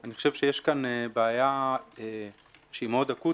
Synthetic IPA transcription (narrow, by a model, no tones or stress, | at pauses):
aniχoʃevʃejeʃkanebeajae | ʃeimod̪aku